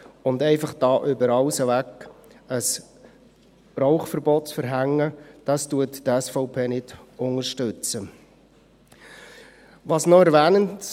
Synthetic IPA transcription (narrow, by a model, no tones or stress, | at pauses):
ʊndɛɪfɑχd̥ɑːʔʏbəɾɑʊsəʋækəs | ɾɔʊχfəɾbɔtt͡sfəɾɦæŋːəd̥ɑstuətdɛsfɔʊpʰeːnɪd̥ʊŋəʃtʏt͡sə | ʋɑsnɔɛɾʋɛːnənt